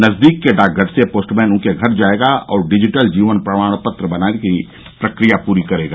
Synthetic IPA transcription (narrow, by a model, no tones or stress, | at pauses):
nɐzd̪iːkːeɖaːk̚ɡəɾsepoːsʈmɛ̃ːnʊ̃nkeɡʱɐɾd͡ʒaːeɡaʔɔːɾɖɪd͡ʒɪʈəld͡ʒiːʋənpɾɐmaːɽ̃pət̪ɾəbɐnaːneki | pɾɐkɾijapuːɾikɐɾeːɡaː